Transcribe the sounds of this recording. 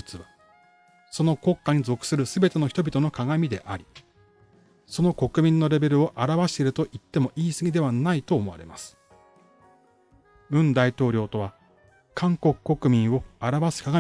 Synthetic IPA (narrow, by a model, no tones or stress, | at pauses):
ɯ̥t͡sɨβa | so̞no̞ko̞kːaɲ̟izo̞kɯ̟̥sɨɾɯ̟sɨbe̞t̪e̞no̞çi̥t̪obʲit̪o̞no̞kaɡamʲid̪e̞̰ʔaɾʲi | so̞no̞ko̞kɯ̟mʲĩnːo̞ɾe̞be̞ɾɯ̟o̞ʔaɾaβaɕi̥t̪eɾɯ̟t̪o̞ʔit̪ːe̞mo̞ʔiːsɨɡʲid̪e̞βanait̪o̞ːmo̞βa̰ɾe̞̰ma̰sɨ̥ | ɯ̟̃nd̪ait̪o̞ːɾʲo̞ːt̪o̞βa | kʰãŋko̞kɯ̥kːo̞kɯ̟mʲĩɰ̃o̞aɾaβasɨ̥kaɡa